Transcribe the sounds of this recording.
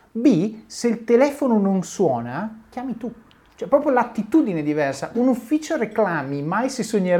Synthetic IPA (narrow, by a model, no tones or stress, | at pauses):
biselt̪elɛːfonononswɔːnak̟jaːmit̪u | t͡ʃoɛpːɾɔpɾjolat̪ːit̪uːd̪ined̪ivɛrsaʔunufːiːt͡ʃoɾeklaːmimajsesoɲːeɾ